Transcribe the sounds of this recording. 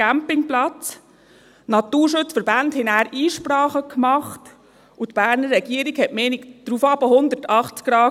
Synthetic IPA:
æmpɪŋplɑt͡s | nɑt̪uːɾʃʊt͡sfəɾbandhɪnæːɾʔiːʃpɾɑːχəkʰmɑχt | utb̥æːɾnərːɛɡ̥iːəɾiɡhɛtmɛːnikd̥ɾufɑbəhʊnd̪əɾtɑχt͡skɾɑː

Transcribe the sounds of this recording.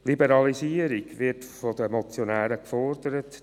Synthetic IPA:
libəɾɑlisiːəɾiɡʋɪrtfɔd̪əmɔt͡sjonæːɾəkfɔrd̪əɾət

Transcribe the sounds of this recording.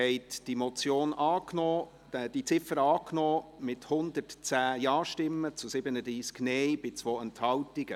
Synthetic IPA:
ɛɪtd̥imɔt͡sjoːnɑːknɔ̥ː | ɛd̥it͡sɪfəɾɑːknɔːmɪthʊnd̪ətt͡sæːjɑːʃtɪmːət͡sʊsɪbənədɾiːsɡ̥nɛɪb̥ɪt͡svoːɛnthɑwtiɡ̥ə

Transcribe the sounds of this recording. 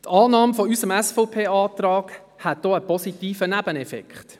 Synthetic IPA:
tɑːnɑːmfɔysəmæsfɔʊpʰeːɑːtɾɑːɡ | hæt̚d̥ɔːəpɔsitiːfənæbənɛfɛ̰kχt

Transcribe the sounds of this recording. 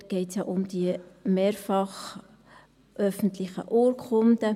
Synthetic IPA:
ɡ̥ɛɪtsjɑʔʊmd̥iəmeːɾfɑχ | ʔœfən̩tlɪxə̰ʔoːɾkʰχʊnd̪ə

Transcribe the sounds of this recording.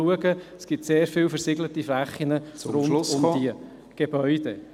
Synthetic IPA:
uəɡəsɡ̥ɪp̚t̪seːɾfɪlfəɾsɪɡlətiflæχːinərʊnʊmdiə | ɡ̥eb̥œʏd̥e

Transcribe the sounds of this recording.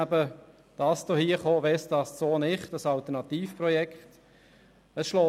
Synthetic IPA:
æbə | d̥ɑːsd̥ohiːəχoːʋɛsd̥ɑːssoːnɪχtɑsɑlt̪ənɑt̪iːfprɔjɛkt | əsʃlɔː

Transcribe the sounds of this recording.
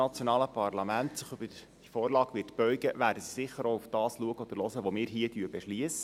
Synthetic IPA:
ɑt͡sjonɑːləpʰɑrlɑmæntsɪχøbəd̥ifɔːɾlɑːɡʋɪtb̥œʏɡəʋæːɾdəsi̥sɪχːəɾoufd̥ɑːsluəɡəɔd̥̪əɾlɔsəʋomɪːɾɦiətyəbɛʃliəsə

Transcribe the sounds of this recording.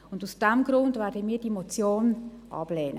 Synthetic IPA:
ʊndusd̥ɛmɡɾʊndvɛːɾdəmiːdiemot͡sjoːnʔɑ̰b̥lɛːnə

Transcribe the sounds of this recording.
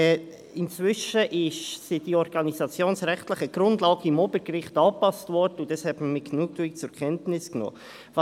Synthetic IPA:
ɪnt͡svʏʃəʔɪʃsid̥iɔɾɡ̥ɑnisɑt͡sjoːnsɾɛχtlɪχəɡ̥ɾʊndlɑːɡ̥əɪmɔːbəɾɡɾɪχtɑːpɑstvɔɾd̥əʊndɑshɛtməmɪɡ̥nuːk̚tuɪkt͡sʊɾkʰɛntnɪsknɔ̰ː | vɑ

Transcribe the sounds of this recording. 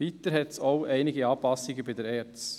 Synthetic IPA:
it̪əɾɦɛtsoʊɛɪnɪɡəɑːpɑsiɡəbɪdɛɾɛːt͡s

